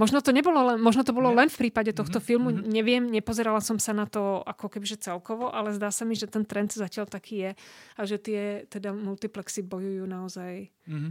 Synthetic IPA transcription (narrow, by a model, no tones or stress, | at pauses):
mɔʒnɔt̪ɔɲɛbɔlɔlɛnmɔʒnɔt̪ɔbɔlɔlɛnfpɾiːpaɟɛt̪ɔxt̪ɔfilmuɲɛʋɪɛmɲɛpɔzɛɾalasɔmsanat̪ɔa̰kɔkɛbiʒɛt͡sɛlkɔʋɔʔalɛzd̪aːsamiʒɛt̪ɛnt̪ɾɛnt̪zacɪaʎt̪akʰiːjɛaʒɛt̪ɪɛt̪ɛd̪amult̪iplɛksibɔjujuːnaɔzaj